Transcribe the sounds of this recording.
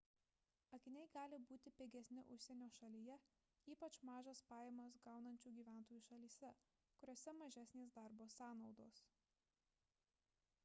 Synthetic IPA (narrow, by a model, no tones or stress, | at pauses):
ɐkʲɪnʲɛɪɡɑːlʲɪbuːt̪ʲɪpʲeːɡʲɛsʲnʲɪʔʊʃʲsʲɛnʲoːʃɐlʲijɛ | iːpɐt͡ʃmɑːʒɐspɑːjeːmɐs̬ɡɑˑʊnɐnʲt͡ʃʲuːɡʲiːʋʲæˑnˑt̪oːjuːʃɐlʲiːsʲɛ | kʊɾʲoːsʲɛmɐʒʲæːsʲnʲeːsd̪ɑˑɾboːsɑːnɒʊd̪oːs